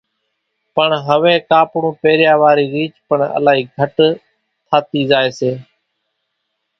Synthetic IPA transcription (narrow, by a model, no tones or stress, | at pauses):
pəɳɦəʋẽːkaːpɽũːpeːɾjaːʋaːɾiːɾiːt͡ʃpəɳə̰laːɦiːɡʱəʈ | t̪ʰaːt̪iːzaːeːseː